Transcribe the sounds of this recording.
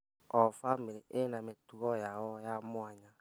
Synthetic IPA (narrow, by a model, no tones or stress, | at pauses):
ɔfameɾeʔenãmetuɔjawɔjamɔ̃aɲã